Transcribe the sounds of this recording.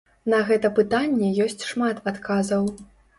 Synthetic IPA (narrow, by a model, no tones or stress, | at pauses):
nɐɣɛt̪ɐpɨt̪anʲːɛjɔsʲt͡sʲʂmat̪at̪kʰazɐw